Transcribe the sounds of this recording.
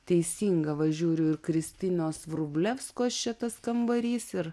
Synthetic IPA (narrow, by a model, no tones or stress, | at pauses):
t̪ʲɛɪsʲiːŋɡɐʋɐʒʲuːɾʲʊɪɾkɾʲɪsʲt̪ʲɪnʲoːsʋɾʊbʲlʲɛfskoːst͡ʃʲɛt̪ɐskɐmbɐɾʲiːsɪɾ